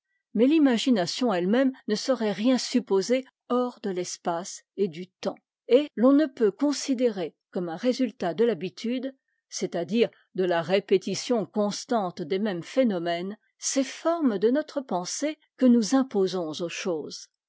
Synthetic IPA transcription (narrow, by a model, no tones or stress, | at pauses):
mɛlimaʒinasjɔ̃ɛlmɛmnəsəʁɛʁjɛ̃sypoze | ɔʁd̪əlɛspased̪yt̪ɑ̃ | elɔ̃nəpøkɔ̃sid̪eʁekɔmɛ̃ʁezylt̪ad̪əlabit̪ʰyd̪ | set̪ad̪iʁ | d̪əlaʁepet̪isjɔ̃kɔ̃st̪ɑ̃t̪d̪emɛmfenɔmɛn | sefɔʁmd̪ənɔt̪χəpɑ̃se | kənuzɛ̃pozɔ̃zoʃoːz